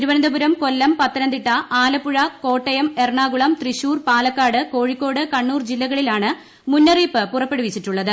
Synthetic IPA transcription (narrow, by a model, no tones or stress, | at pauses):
iɾuʋɐnɐnd̪ɐbuɾɐmko̞lːɐmpɐt̪ːɐnɐnd̪iʈːɐʔaːlɐpːuɻɐko̞ːʈːɐjɐme̞rɳaːɡuɭɐmt̪riɕuːrpaːlɐkːaːɽɨko̞ːɻikʲːo̞ːɽɨkɐɳːuːrd͡ʑilːɐɣɐɭilaːɳɨ | munːɐriːpːɨpurɐpːe̞ɽuʋit͡ɕːiʈːuɭːɐðɨ